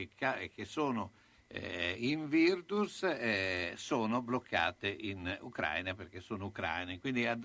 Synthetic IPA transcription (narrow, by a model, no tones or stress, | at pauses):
kʰaekːesoːno | ɛ̰iɱvird̪usɛsoːnoblokʰːa̰ːt̪eʔinṵkɾa̰jnaperk̟esoːnoukɾa̰jnekwind̪iad̪